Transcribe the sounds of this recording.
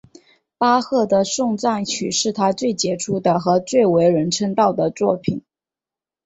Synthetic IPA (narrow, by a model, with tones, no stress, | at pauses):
pa˥xɤ˥˩d̪ə˩ʂʊ˥˧ŋt͡sa˥˩nt͡ɕʰy̰˨˩ʂɻ̩˥˩t̪ʰa˥t͡swe˥˩ɪt͡ɕjɛ˧˥ʈ͡ʂʰu˥d̪ə˨xɤ˧˥t͡swe˥˩ɪwe˧˥ɪɻə˧˥nʈ͡ʂʰə˥ŋt̪ɑ˥˩ʊd̪ə˩t͡swɔ˥˩pʰi˨˩˦n